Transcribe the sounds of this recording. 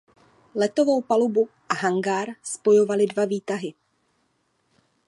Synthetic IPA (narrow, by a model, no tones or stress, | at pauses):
lɛt̪o̞vo̞wpalubu | ʔaɦaŋɡaɾspo̞jo̞valɪdvaviːt̪aɦɪ